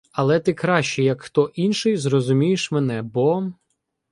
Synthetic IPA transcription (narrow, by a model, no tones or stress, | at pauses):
ɐlˠɛt̪ɪkɾɑʃt͡ʃɛjɐkxt̪ɔʔinʃɪjzɾɔzʊmʲijeʃmenɛbɔ